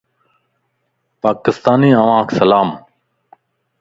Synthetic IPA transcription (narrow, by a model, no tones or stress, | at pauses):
paːkɪst̪aːniːəʋãːkʰsəlaːm